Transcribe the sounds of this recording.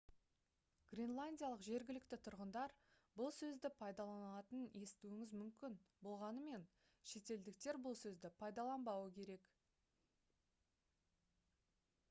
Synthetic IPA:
ɡ̥rʲinlˠanʲdʲijaɑlˠəqʒe̞ɾɡʲɪlɪkt̪ɪt̪ʰʊɾʁənd̪ɑɾ | bʊlˠsɵzd̪ɪpʰɑjd̪ɑlˠɑnɑt̪əne̞st̪uwɪŋɪzmʏmkʲɪnbo̞lˠʁɑnəme̞n | ʃe̞t̪e̞ld̪ɪkt̪e̞ɾbʊlˠsɵzd̪ɪpʰɑjd̪ɑlˠɑnbɑwəkʲʰe̞ɾe̞k

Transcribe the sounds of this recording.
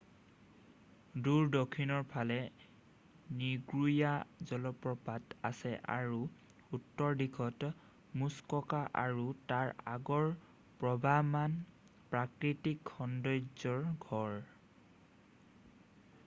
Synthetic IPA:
duɹdɔkʰːinɔɹpʰalɛ | niɡɹujazɔlɔpɹɔpata̰sɛʔa̰ɹu | utːɔɹdikʰɔt | muskɔkaʔaɹutaɹaɡɔɹ | pɹɔbʱaman | pɹakɹitikxɔndɔjzɔɹɡʱɔɹ

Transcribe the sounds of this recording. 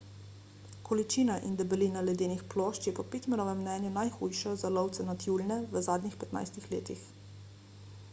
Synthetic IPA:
kʰɔlit͡ʃiːnaʔind̪ɛbɛliːnalɛd̪eːnixplɔːʃt͡ʃjɛpɔpeːt̪mɛnɔːʋɛmːnɛːnjunajxuːjʃɔzalɔwt̪sɛnat̪juːlnɛʋəzaːd̪nixpɛt̪na̰jst̪ixleːt̪ix

